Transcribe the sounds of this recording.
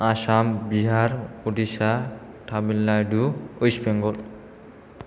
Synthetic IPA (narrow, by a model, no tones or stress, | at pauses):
aʃambiɦaɾodiʃa | ʈʰabilːajɖuojsbeŋɡol